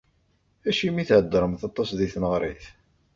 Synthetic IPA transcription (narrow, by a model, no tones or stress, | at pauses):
æʃimiθʕəd̪ːɾˤəmθɑt̪ˤːɑsðiθnəʁɾˤḭθ